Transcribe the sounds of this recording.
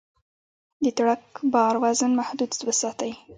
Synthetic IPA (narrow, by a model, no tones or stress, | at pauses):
d̪ət̪ɽakbɑɾwazənmahd̪ud̪wəsɑt̪əji